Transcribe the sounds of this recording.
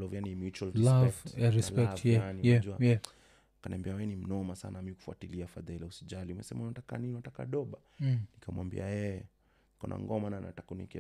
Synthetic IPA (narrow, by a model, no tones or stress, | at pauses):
lɔvianimjut͡ʃuallaɛvaɾispɛktɛanijd͡ʒuajɛ | kaniambiawɛnim̩nɔmasa̰namiku̥fuatiliafaðailausiʄaliumɛsɛmauatakaniniwataka̰ɗɔɓanikamwambḭajɛ | kɔ̰na̰ŋɡɔmanana̰takunɛkɛ